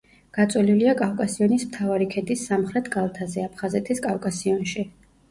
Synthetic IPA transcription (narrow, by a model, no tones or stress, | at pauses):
ɡ̥at̪sʼwɛliliakʼavkʼasiɔnismt̪ʰavaɾikʰɛd̪isːamχɾɛt̪ʰkʼalˠt̪ʰazɛapʰχazɛt̪ʰiskʼavkʼasiɔnʃi